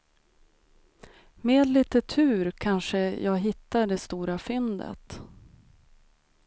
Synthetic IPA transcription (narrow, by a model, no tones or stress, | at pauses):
meːd̪liːt̪ət̪ʰʉ̟ːɾkʰanʂəjʔɑːɡɦɪt̪ːaɖɛst̪uːɾafʏnd̪ə̰t̪